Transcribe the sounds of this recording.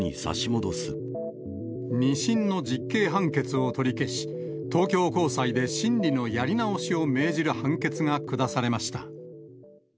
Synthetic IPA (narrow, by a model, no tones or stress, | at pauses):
ḭsa̰ɕimod̪o̞sɨ | ɲ̟iɕĩnnːo̞d͡ʑikːe̞ːɦãŋke̞t͡sɨo̞t̪o̞ɾʲike̞ɕi̥t̪o̞ːkʲo̞ːko̞ːsaid̪e̞ɕĩnɾʲino̞jaɾʲinao̞ɕio̞me̞ːʑiɾɯ̟hãŋke̞t͡sɨŋakɯ̟d̪asaɾe̞maɕi̥t̪a